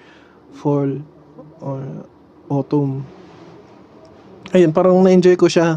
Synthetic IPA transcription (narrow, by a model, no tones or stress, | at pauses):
fol | ʔo | ʔot̪om | ʔɐjonp̬aːɾɐŋnɐʔɪnd͡ʒojkoʃa